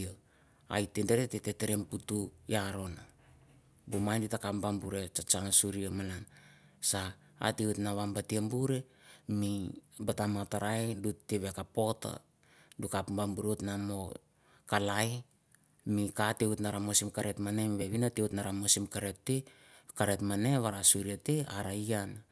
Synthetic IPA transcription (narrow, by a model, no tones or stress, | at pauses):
o | a̰jtendeɾetete̞teɾemputujaɾo̞na | bomajnditakapbambuɾe̞t͡ʃat͡ʃaŋasuɾiamalan | sa̰ː | teutnaβambatiambuɾe̞ | mibatamataɾajdutːeβe̞kapo̞ta̰ | dukapbambuɾotnamo̞ | kalaj | mikateutnaɾamosimkaɾe̞tmanemβe̞βinateutnaɾamosimkaɾetːe | kaɾetmane̞βaɾasuɾiateaɾaiana